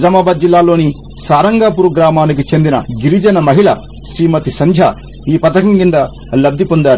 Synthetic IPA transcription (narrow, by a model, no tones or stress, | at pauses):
d͡ʒɐmaːbaːd̪̚d͡ʒilːaːlo̞ːni | saːɾɐŋɡaːpuɾuɡɾaːmaːnikit͡ʃe̞nd̪inɐɡiɾid͡ʒɐnɐmɐɦiɭɐ | sɾiːmɐt̪isɐɲd͡ʒʱja | iːpɐt̪ɐkɐmkind̪ɐ | lɐb̚d̪ipond̪aːɾu